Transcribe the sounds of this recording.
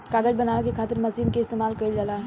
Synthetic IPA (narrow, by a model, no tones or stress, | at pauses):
kaːɡəd͡ʒbɐnaːʋekekʰaːt̪ɪɾmɐsiːnkeɪst̪eːmaːlkɐid͡ʒalaːɦ